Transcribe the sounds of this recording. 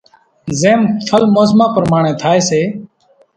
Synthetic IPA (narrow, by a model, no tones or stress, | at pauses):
zeːmt̪ʰəlmoːsmãːpəɾmaːɳẽːt̪ʰaːeːseː